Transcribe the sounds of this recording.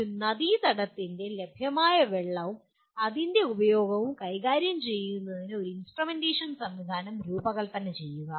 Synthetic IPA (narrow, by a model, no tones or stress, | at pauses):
unɐðit̪ɐɽɐt̪ːinde̞le̞bʱjɐmaːjɐʋeɭːɐʋum | ɐðinde̞ubɐjo̞ːɡɐʋumkɐjɣaːɾjɐmt͡ɕe̞jːunːɐðinɨo̞ɾuinsʈrɐmendeːʂɐnsɐmʋid̪ʱaːnɐmɾuːbɐɣɐɭt̪ɐnːe̞t͡ɕe̞jːuɣɐ